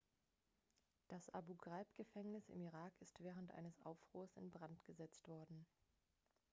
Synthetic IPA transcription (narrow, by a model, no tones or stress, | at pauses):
d̥asʔa̰buɡʁalpɡ̥əfɛŋnɪsɪ̰miʁaːkɪstv̥ɛːʁ̞əntʔa̰ɪnəsʔa̰ʊfʁ̥uːɐsɪ̰nbʁantɡ̥əzɛt͡stv̥ɔɐdn̩